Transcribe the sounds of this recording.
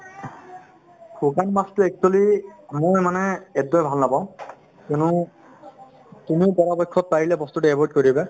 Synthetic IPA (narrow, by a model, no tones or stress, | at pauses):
kukanmastuɛk̚solimojmanɛɛddɔjbʱalnabɔ̃ | konu | tumiʊpɔɹabɔjkʰːɔt̚paɹilɛbɔst̪utɛɛbɔɹd̚koɹibɛ